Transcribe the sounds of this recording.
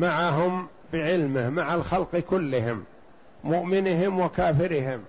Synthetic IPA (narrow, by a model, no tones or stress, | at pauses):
maʕaɦʊm | bɪʕɪlmɪhmaʕalxalqkʊlːɪhɪm | mʊʔmɪnɪɦɪmwakaːfɪɾɪɦɪm